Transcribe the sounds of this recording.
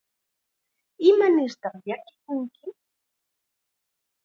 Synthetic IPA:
ɪmanɪɾt̪aχʎakɪ̥kʊŋkɪ

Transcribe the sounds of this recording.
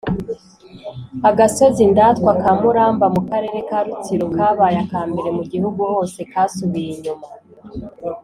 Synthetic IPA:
aɡaso̞zindaːtkwakamuɾaːmbamukaɾe̞ːɾe̞kaːɾut͡siɾukaːβaːjakaːmbe̞ɾe̞muɟihuɡuho̞se̞kaːsuβijiɲuma

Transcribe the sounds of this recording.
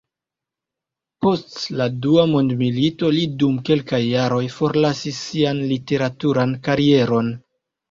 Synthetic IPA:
po̞stladuamondmilito̞lidumke̞lkajːaɾo̞jfo̞ɾlasisːianlite̞ɾatuɾankaɾie̞ɾo̞n

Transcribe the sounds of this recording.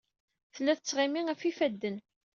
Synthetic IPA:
θlːæθət͡sːʁɪmiŋæfifæd̪ːən

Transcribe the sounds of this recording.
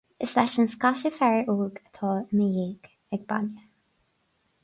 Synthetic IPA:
əslɛʃənskaʃəfɛɹiʔuːɡət̪ʰɑːənəjeːɡ̥ | ɛɡ̚ba̰njə

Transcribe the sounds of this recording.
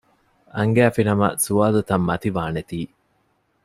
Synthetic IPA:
ɐŋɡæːfinɐmɐ̰suaːlut̪ɐmːɐt̪iʋaːnet̪iː

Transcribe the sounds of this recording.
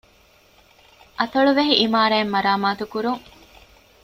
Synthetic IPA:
ʔɐt̪ɐɭuʋeɦiʔimaːɾaːmːɐɾaːmaːt̪ukuɾuŋ

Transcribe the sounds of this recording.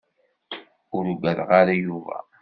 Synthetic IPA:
ʊɾuɡæðʁaɾajuvæ̰

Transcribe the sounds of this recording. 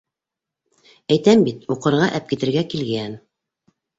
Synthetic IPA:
æjt̪æmbit̪uqɤ̆ɾʁɑʔæp̚kit̪ɘ̆ɾɡækilɡæn

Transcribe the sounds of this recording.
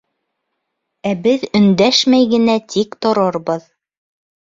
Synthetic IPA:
æbɘðɵ̆nd̪æʃmæjɡɘ̆næt̪ikt̪ŏɾɤɾbɤð

